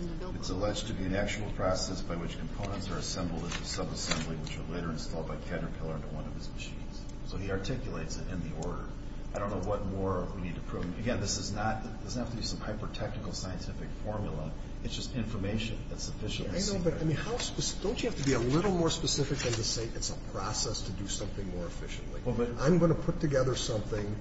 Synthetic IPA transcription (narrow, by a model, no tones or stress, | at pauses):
ɨtsəlɛd͡ʒtʰɨbiɨ̃næk̚t͡ʃul̩ˠpʰɹ̥ɑsɛsb̥aɪwɨt͡ʃkʰm̩pʰõʊ̃ñə̃ntsə˞ɨsɛ̃mbl̩ˠdɨ̃ntɨsʌbəsɛ̃mbliwɨt͡ʃə˞leɪɾə˞ɨ̃nstɔlˠd̚baɪkʰæɾə˞pʰɪlˠə˞ʌ̃nəwʌ̃nʌv̥ɨzmɨʃḭ̃nz̥ | soʊiɑɹtʰɪkjleɪtsɨɾɨ̰̃nðiɔɹɾə̰˞ | aɪdɾõʊ̃nːoʊwʌt̚mɔɹwinid̚tʰɨpʰɹ̥uvɨɡɛ̃nðɪsɨznət̪̚ðɪshæftɨbisʌ̃mhaɪpə˞tʰɛk̚nɨkl̩ˠsaɪɨ̃ntʰɪfɨkfɔɹmjl̩ˠə | ɨtsd̥ʒ̥ʌstɪ̃ɱfə˞meɪʃɨ̰̃nðɨtsɨfɪʃɨ̃naɪnoʊbʌɾaaɪmĩnhaʊspɨsd̥õʊ̃nt͡ʃɨhæftɨbiəlɪɾl̩ˠmɔɹspɨsɪfɨk̚ðɨ̃ntɨseɪʔɨtsəpʰɹ̥ɑsɛstʰɨdɨsʌ̃mθɪ̃ŋmɔɹɨfɪ̰ʃɨ̃n̩ʔlḭwɛlˠbʌɾãɪ̃mɡʌnəpʰʊtʰɨɡɛðə˞sʌ̃mθɪ̃ŋ